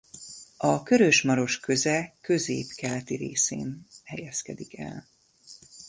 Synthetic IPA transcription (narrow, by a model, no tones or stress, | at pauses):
ɒkø̞ɾøʃmɒɾo̞ʃkø̞zɛkø̞zeːpkɛlɛt̪iɾeːsḛːnhɛjɛskɛd̪ikɛ̰l